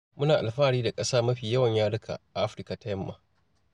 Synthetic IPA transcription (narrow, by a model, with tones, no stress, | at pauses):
mʊ˦naː˨ʔa˨lɸaː˦ɽiː˦da˨kʼɐ˦saː˦mɐ˦ɸiː˨jɐ˦wɐ˨ɲjaː˦ɽʊ˦kʰa̰˨ʔa˨ʔa˦ɸɾɪ˦ka˨ta˦jɐ˦mːa̰ː˨